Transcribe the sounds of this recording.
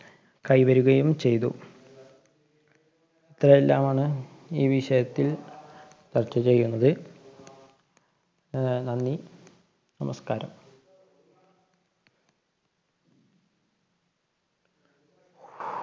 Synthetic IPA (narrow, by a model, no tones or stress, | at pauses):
kɐjʋɐɾuɣɐjumt͡ɕe̞jt̪ṵ | it̪rɐjelːaːmaːɳɨ | iːʋiɕɐjɐt̪ːil | t͡ɕɐrt͡ɕːɐt͡ɕe̞jːunːɐðɨ | nɐnːi | nɐmɐskaːɾɐ̰m